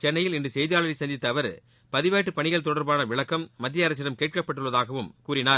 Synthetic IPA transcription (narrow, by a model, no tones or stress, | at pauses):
t͡ʃɛnːɐjɪlɪndrɯsɛjðɪjaːɭɐɾɪsɐnd̪ɪt̪ːɐːʋɐɾ | pɐðɪʋeːʈːɯpɐɳɪɣɐɭt̪ɔɽɐɾbaːnɐʋɪɭɐkːɐmːɐd̪ːɪjɐɾɐs̬ɪɽɐmkeːʈ̚kɐpːɐʈːɯɭːɐðaːɣɐʋɯmkuːɾɪnaːɾ